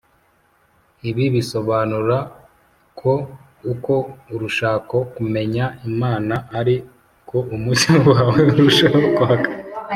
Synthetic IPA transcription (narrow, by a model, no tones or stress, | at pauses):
iβiβiso̞βaːnuɾa | kʰo̞ | uko̞uɾuʃaːko̞kume̞ɲaimaːnaʔːɾi | kʰo̞ʔumucawaweuɾuʃakohaka